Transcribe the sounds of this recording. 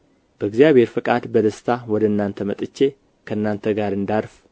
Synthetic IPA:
b̥əɨɡzjaβhe̞ɾfɨkʼad̪bəd̪əst̪ʰawɔd̪əɨnːant̪ʰəmət̪ʼɨt͡ʃːe̞ | kʰəɨnːant̪ʰəɡaɾɨnd̪aɾf

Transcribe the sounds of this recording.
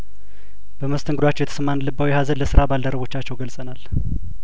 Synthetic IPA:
b̥əməst̪ʰɨŋɡɨd̪wat͡ʃːɛwjɛt̪ʰəsəmːanlɨbːawihazənləsɨɾabald̪əɾəβo̞t͡ʃːat͡ʃːɛwɡəlsʼənal

